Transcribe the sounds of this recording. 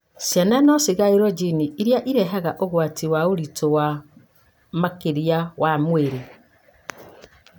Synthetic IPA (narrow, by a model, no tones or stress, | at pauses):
sjananɔsiɣaeɾɔd͡ʒiniiɾjaʔiɾɛɦaɣaʔoɣwatiwaoɾitowa | makeɾjawamweɾe